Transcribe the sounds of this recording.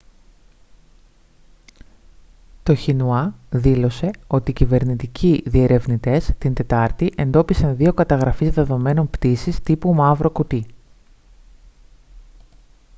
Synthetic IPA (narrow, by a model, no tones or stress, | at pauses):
t̪o̞çinuɐðilo̞se̞o̞t̪iːcive̞ɾnit̪icʰiðie̞ɾʔe̞vnit̪e̞st̪ind̪e̞t̪ɐɾt̪iʔe̞nd̪o̞pisɐnðio̞kɐt̪ɐɣɾɐfizðe̞ðo̞me̞no̞npt̪isist̪ipumɐvɾo̞kut̪i